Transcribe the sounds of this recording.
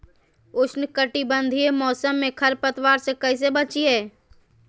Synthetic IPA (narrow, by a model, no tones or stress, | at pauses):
ʊt͡ʃʰnkəʈibə̃nd̪ʱiemɔːsəmːẽkʰɐɾpət̪waːɾsẽkəɪs̬ebət͡ʃieː